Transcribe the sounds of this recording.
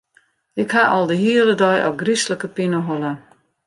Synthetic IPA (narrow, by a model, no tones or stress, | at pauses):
ɪkhaʔɔlˠdəɦiələdɔjʔɔ̰ɡrisləkəpinəɦolˠə